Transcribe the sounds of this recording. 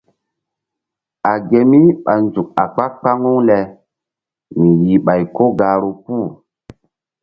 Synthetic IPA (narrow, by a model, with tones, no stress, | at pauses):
a˨ɡe˨mi˦ɓa˨nzu˨k̚a˨k͡pa˦k̚k͡pa˦ŋu˦ŋlɛ˨ | mi˨ji˨ɓa˨jko˦ɡaː˨ɾu˦kuː˦˨